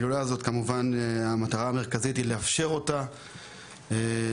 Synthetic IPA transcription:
lulaːzo̞tkamuvanamataʁaːme̞ʁ̞kazitile̞afʃe̞ʁo̞ta | e

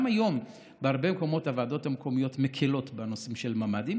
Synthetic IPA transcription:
majo̞m | behaʁbe̞meko̞mo̞tavaːdo̞thamkʰo̞mijo̞tmekʰilo̞tbenosimʃelmamadim

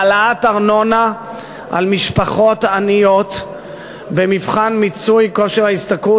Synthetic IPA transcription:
alaataʁno̞na | ʔalmiʃpaχo̞tanijo̞t̪ | bemivχanmit͡sujko̞ʃeʁhaist̪aku

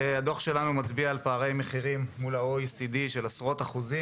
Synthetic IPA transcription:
ad̪o̞χʃe̞lanumat͡sbiaːlpaːʁe̞jme̞χiʁimːulaoisid̪iʃelasʁo̞t̪aχuzi

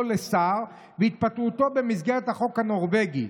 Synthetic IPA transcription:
lesaʁ | veit̪̚pat̪ut̪o̞be̞misɡeʁet̪haχo̞khano̞ʁveɡḭ

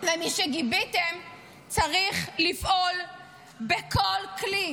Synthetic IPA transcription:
vemiʃeɡibitem | t͡saʁiχlifʔol | bekʰolkli

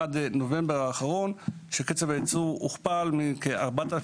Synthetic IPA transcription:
ad̪nove̞mbeʁaːχaʁo̞nʃeket͡seveat͡suuχpalmikeaʁbata

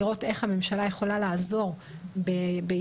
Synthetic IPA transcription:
ʁo̞te̞χhame̞mʃalajeχo̞lalaːzo̞ʁ | bebe

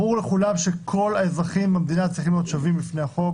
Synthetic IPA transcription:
uʁleχulavʃe̞kʰo̞laezʁaχimbamed̪inatt͡sʁiχimlijo̞t̪ʃovimbifne̞jhaχo̞

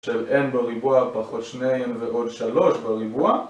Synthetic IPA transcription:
ʃelʔenbeʁibuapaχo̞t̪ʃnejenveʔo̞dʃalo̞ʃbaʁibua

